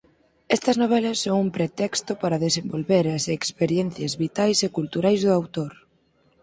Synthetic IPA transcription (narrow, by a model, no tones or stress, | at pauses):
ɛst̪ɐznoβ̞ɛlɐsːoŋumpɾet̪ɛkst̪ʊpaɾɐðesembolβeɾɐsekspeɾjɛn̟θjɐzβit̪ajsekult̪uɾajzðʊawt̪oɾ